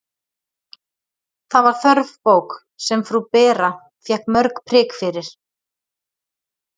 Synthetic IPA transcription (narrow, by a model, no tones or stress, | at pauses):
θavaɾ̥θœɾvpoːwk | sɛmfɾupɛːɾa | fjɛhkmœɾkpʰɾɪːkfɪɾɪɾ̥